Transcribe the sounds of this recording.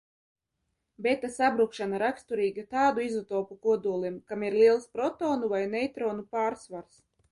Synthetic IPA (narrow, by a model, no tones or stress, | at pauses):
bɛt̪asabɾukʃanaɾakst̪uɾiːɡat̪aːd̪uizɔt̪oːpukuɔd̪uɔlˠimkamiɾlʲˠiɛlˠspɾɔt̪oːnuvajnɛjt̪ɾoːnupaːɾsvaɾs